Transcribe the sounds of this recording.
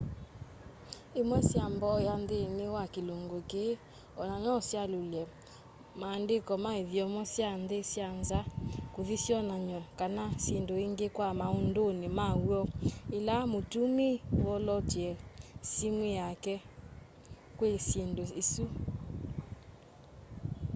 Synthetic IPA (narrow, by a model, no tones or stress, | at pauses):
emwɛsjambɔjandenewakeloŋɡoke | ɔnaɲɔɔsjalolɛ | maːndekɔmaeðjɔmɔsjandesjanzakoðisjɔnaɲɔkanasindoeŋɡekwamaondonemauɔelamotumiwɔlɔtiɛsimwijakɛ | kwesindoesu